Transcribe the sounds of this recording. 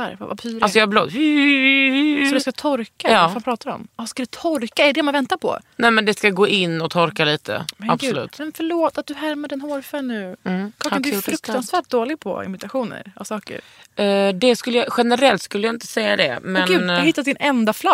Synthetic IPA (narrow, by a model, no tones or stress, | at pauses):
a̰ɾva̰va̰pʰyːɾalsɔjɑbloːd̪ | sɔd̪ɵskat̪ʰɔɾkajɑːfanpʰɾɑːt̪aɾɔ̰mskad̪ɛt̪ʰɔɾkaɛɖɛmanvɛnt̪apʰɔ̰nɛmɛnd̪ɛskaɡoːʔɪnːɔt̪ʰɔɾkaliːt̪ʰə̰mɛabɔlʉ̟̰ːt̪mɛnfœɭoːt̪at̪̚d̪ɵɦæɾmad̪ɛnhoːɾfɛnʉ̟ːkʰɑːand̪ɛɾɵkt̪ansvæːʈ̚d̪oːlɪɡ̚pʰɔ̰ɪ̰mɪt̪aɧuːnə̰ɾʔa̰vsɑːkə̰ɾ | d̪ɛskɵlːəjaɧɛnəɾɛlt̪skɵlːəjaɪnt̪ə̥sɛjːa̰d̪ɛ̰mɛnɡʉːhɪt̪ːad̪ɪnɛnd̪afla